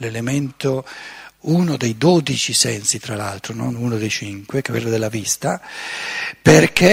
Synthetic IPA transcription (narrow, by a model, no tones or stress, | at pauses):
lelement̪o | unod̪ejd̪od̪it͡ʃisɛnsit̪ɾala̰lt̪ɾono̰nunod̪ejt͡ʃiŋkwekekḛlːod̪elːavist̪a | perkʰe